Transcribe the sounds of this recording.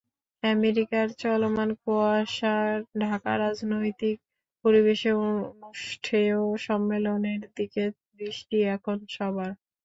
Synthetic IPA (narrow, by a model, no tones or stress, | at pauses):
ɛmeɾikaɾt͡ɕɔlomankoaʃaɾɖʱaka̰ɾad͡ʑnojt̪ik̚ | poɾiβeʃeonuʃʈʰeoʃɔmːeloneɾd̪ike | b̪ɾiʃʈiɛkʰonʃɔbaɾ